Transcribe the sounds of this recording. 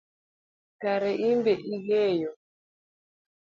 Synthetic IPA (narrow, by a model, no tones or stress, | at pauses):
kaɾɛʔimbɛʔiɣɛjɔ